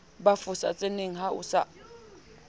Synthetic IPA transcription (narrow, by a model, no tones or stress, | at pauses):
bafʊsa̰t͡sʼeneŋ̩ɦaʊ̰sa̰